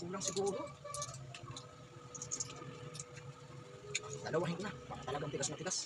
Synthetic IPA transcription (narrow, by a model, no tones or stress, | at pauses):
uːlaŋsɪɡuːɾno | d̪alawaɦɪŋk̪nabakat̪alaɡaŋt̪ɪɡasŋat̪ɪɡas